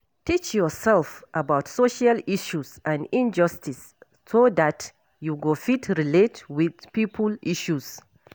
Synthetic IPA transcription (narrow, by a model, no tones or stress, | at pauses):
tit͡ʃjɔsɛlfʔabaʊtsoʃaliʃusʔãnĩnd͡ʒʌstisː | odat | juɡofitʰɹiletwiðpipʰəlʔiʃuz̥